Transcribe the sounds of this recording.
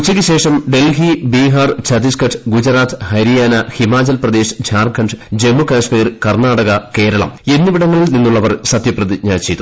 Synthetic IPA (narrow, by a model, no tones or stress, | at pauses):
ut͡ɕːɐkʲɐɕe̞ːʂɐmɖe̞lɦibiːɦɐrt͡ɕʰɐd̪iskɐʈʰɡud͡ʑɐɾaːt̪ʰhɐɾijaːnɐhimaːd͡ʑɐlprɐd̪eːʂd͡ʑʱaːrkʰːɐɳɖd͡ʑe̞mːukaːsmiːrkɐrnaːɽɐɣɐke̞ːɾɐɭɐ̰me̞nːiʋiɽɐŋːɐɭninːuɭːɐʋɐrsɐt̪jɐprɐðiɲaːt͡ɕːejt̪u